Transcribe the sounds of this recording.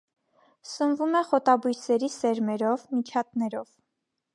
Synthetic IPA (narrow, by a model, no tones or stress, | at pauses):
sənvumɛχɔt̪ɑbujsɛɾisɛɾmɛɾɔvmit͡ʃʰɑt̪̚nɛɾɔv̥